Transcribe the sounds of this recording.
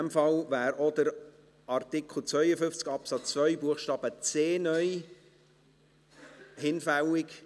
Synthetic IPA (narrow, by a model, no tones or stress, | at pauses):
mfɑlvæːɾodəɾ | ɑrtɪkʰl̩ˠt͡svœʏəfʏft͡skɑpsɑt͡st͡svœʏbuəχʃtɑːb̥ət͡seːnœj | hɪnfæwɪk